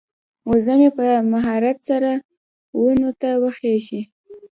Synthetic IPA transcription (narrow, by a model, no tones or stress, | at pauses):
wozamepəmaɦɑɾat̪saɾa | winot̪awəxeʃi